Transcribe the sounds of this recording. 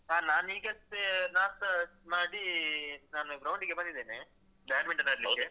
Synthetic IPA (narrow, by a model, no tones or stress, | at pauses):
aːnaːniːɡɐst̪enaːsɐmaːɽinaːnuɡɾɐwɳɖiɡebɐnd̪id̪eːne | baːɖmiɳʈɐnaɾliɐwɡk̪e